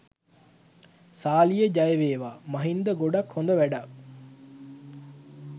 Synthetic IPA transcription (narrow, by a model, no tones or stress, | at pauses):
saːlijəd͡ʒajeʋeːʋaːmaɦind̪əɡoɖakhond̪əʋæɖa